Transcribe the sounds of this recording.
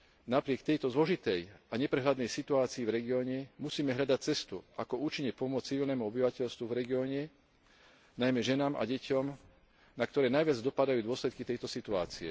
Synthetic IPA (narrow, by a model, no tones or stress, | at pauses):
napɾɪɛk̚t̪ɛjt̪ɔzlɔʒit̪ɛjaɲɛpɾɛɦlad̪nɛjsit̪uaːt͡siːvɾɛɡiɔːɲɛmusiːmɛɦʎad̪ac̚t͡sɛst̪uʔakɔuːt͡ʃiɲːɛpɔmʊɔt͡st͡siʋilnɛːmuɔbiʋacɛʎst̪ʋuvɾɛɡiɔːɲɛ | najmɛʒɛnaːmʔa̰ɟɛcɔm | nakt̪ɔɾɛːnajʋɪad͡zd̪ɔpad̪ajuːd̪ʊɔslɛt̪kit̪ɛjt̪ɔsit̪ua̰ːt͡siɛ̰